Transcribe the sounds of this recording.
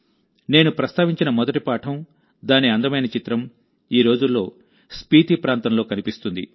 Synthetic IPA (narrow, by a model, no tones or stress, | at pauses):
ne̞ːnupɾɐst̪aːʋiɲt͡ʃinɐmɔd̪ɐʈipaːʈʰɐm | d̪aːniɐnd̪ɐmɐjnɐt͡ʃit̪ɾɐm | iːɾo̞ːd͡ʒulːo̞̰ː | spiːʈ̪ipɾaːnt̪ɐmlo̞ːkɐnipist̪und̪ḭ